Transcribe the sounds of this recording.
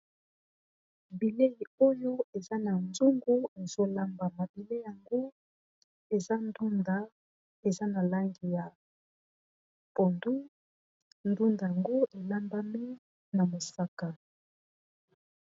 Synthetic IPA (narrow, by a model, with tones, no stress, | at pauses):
bi˨le˦i˨o˦jo˦e˨za˦na˨nzu˦ŋɡu˦e˨z̥o˦la˦mba˨ma˨bi˨le˦ja˨ŋɡo˦ | e˨za˦ndu˦nda˨˦ | e˨za˦na˨la˦ŋɡi˨ja˨ | po˨ndu˦ | ndu˦nda˨ja˨ŋɡo˦ʔe˨la˦mba˦mi˦ | na˨mo˨sa˦ka˨